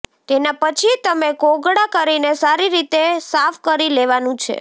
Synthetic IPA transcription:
t̪enapət͡ʃʰit̪əmekoɡɽakəɾinesaɾiɾit̪esafkəɾileʋanũt͡ʃʰḛ

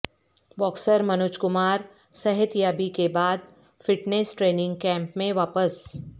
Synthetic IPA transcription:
ʋɔːksəɾmɐnʊt͡ʃkʊmaːɾ | sɐɦɪt̪jaːbikebaːd̪̚ | fɪʈneːsʈɾeːnɪ̃ŋɡ̚kɛ̃ːmpmẽʋaːpəs

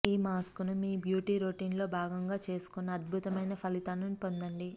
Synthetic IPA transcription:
iːmaːskunumiːbjuːʈiːɾoːʈiːnlo̞ːbʱaːɡɐŋɡaːt͡ʃe̞ːsu̥kunːɐɐd̪̚bʱut̪ɐmɐjnɐpʰɐlit̪aːnunpond̪ɐɳɖi

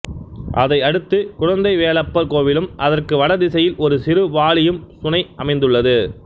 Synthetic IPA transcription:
ʔɐðɐɪɐɽɯt̪ːɯkʊɻɐnd̪ɐɪʋeːlɐpːɐɾkoːʋɪlɯmʔɐðɐrkɯʋɐɽɐðɪsɐjɪlɔɾɯsɪɾɯʋaːɭɪjɯmsʊnɐɪʔɐmɐɪnd̪ɯɭːɐðɯ

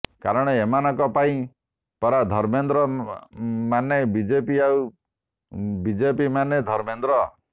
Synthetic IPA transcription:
kaɾɔɽ̃ɔemanɔkɔpaĩ | pɔɾad̪ʱɔɾmend̪ɾɔ | manebid͡ʒepiaw | bid͡ʒepimaned̪ʱɔɾmend̪ɾɔ

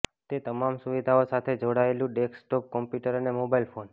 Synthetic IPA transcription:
t̪et̪əmamsuʋid̪ʱaosat̪ʰed͡ʒoɽaelũɖeksʈɔp̚kɔmpjuʈəɾənemobailfʰon

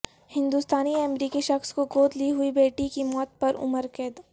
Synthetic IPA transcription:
hɪ̃nd̪ust̪aːniɐmɾiːkiʃɐxskoɡoːt̪liɦʊibeːʈikimɔːt̪̚pɐɾʊ̰məɾkeːd̪

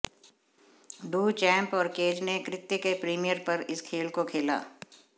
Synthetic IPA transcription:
ɖuːt͡ʃɛ̃ːmpɔːɾkeːd͡ʒnekɾɪt̪jəkepɾiːmijəɾpɐɾɪskʰeːlkokʰeːla̰ː

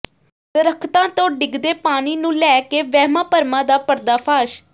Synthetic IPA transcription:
t̪əɾəkʰt̪ãːt̪õːɖɪɡd̪eːpaːniːnũːlɛːkeːʋɛːmãːpəɾmãːd̪aːpəɾd̪aːpʰaːʃ

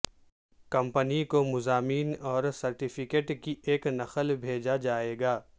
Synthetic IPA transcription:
kɐ̃mpənikomʊzaːmiːnɔːɾsɐɾʈɪfʰɪkeːʈkieːknɐqəlbʱeːd͡ʒad͡ʒaːeːɡaː

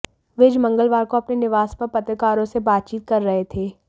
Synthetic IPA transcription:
ʋɪd͡ʒmɐ̃ŋɡəlʋaːɾkoɐpnenɪʋaːspɐɾpɐt̪ɾəkaːɾõsebaːt̪̚t͡ʃiːt̪̚kɐɾːɐɦet̪ʰeː

